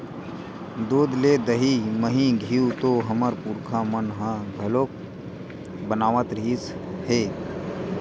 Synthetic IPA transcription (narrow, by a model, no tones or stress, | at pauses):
d̪oːd̪leːd̪əɦiməɦĩɡʱiut̪oːɦəməɾpuːɾkʰãːmənɦãːɡʱəloːk̚ | bənaːʋət̪ɾiːsheː